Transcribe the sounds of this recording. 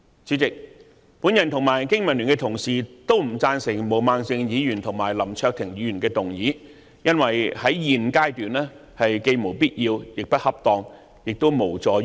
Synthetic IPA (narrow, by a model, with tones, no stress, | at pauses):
t͡syː˨˥t͡sɪ˨k̚ | puː˨˥njɐ˨nt̪ʰʊ˨˩ŋmaː˨˩jkɪ˥ŋmɐ˨˩nlːyː˨˩nkɛ˧t̪ʰʊ˨˩ŋsiː˨t̪o˥wm̩˨˩t͡saː˧nsɪ˨˩ŋmo˨˩wmaː˧ŋsɪ˧ŋjiː˨˧jyː˨˩nt̪ʰʊ˨˩ŋma̰ː˨jlɐ˨˩mt͡ʃʰœː˧k̚t̪ʰɪ˨˩ŋjiː˨˧jy˨˩nkɛː˧t̪ʊ˨ŋjiː˨˥ | jɐ˥nwɐ˨˩jhɐ˨˥jjiː˨˩nkaː˥jt̪yː˨nɛː˥ | hɐ˨jke˧jmo˨˩wpiː˥t̚jiː˧wjɪ˨k̚pɐ˥t̚hɐ˥p̚t̪ɔː˧ŋ | jɪ˨k̚t̪o˥wmo˨˩wt͡sɔː˨˧